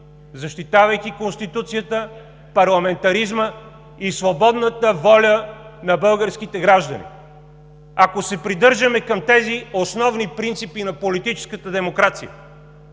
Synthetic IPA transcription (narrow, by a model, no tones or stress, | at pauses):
zɐʃt̪it̪avɐjkikonst̪it̪ut̪sijət̪ə | pɐɾlˠɐmɛnt̪ɐɾizmə | isvobɔd̪nət̪əvɔlʲənɐbɤlˠɡəɾsk̟it̪ɛɡɾaʒd̪ɐ̰nḭ | ɐkosɛpɾid̪ɤɾʒəmɛkɐmt̪ɛziosnɔvnipɾint̪sipinɐpolit̪it͡ʃɛ̥skət̪əd̪ɛmokɾat̪sḭjə̰